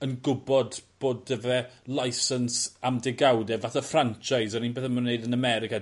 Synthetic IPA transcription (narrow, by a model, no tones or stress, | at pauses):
ənɡʊbɔdb̥oːdəvɛlˠajsənsamdɪɡawdɛvaθafrant͡ʃajsɔninbeθəmanːeɨdənəmɛɾɪka